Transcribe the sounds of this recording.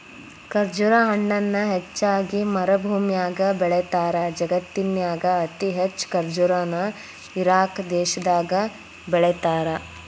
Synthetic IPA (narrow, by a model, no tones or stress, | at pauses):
kɐɾd͡ʒuɾaɦɐɳːɐnːɐɦet͡ʃːaːɡimɐɾɐbʱuːmjaːɡɐbɛɭet̪aːɾɐd͡ʒɐɡɐt̪ːinjaːɡɐːt̪iɦet͡ʃːkɐɾd͡ʒuɾaːnɐ | iɾaːkd̪ɛːʃɐd̪aːɡɐ | bɛɭet̪aːɾɐ